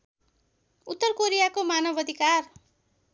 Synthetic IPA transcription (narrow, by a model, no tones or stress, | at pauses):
ut̪ːʌrkoɾijakomanʌbʌd̪ʱikar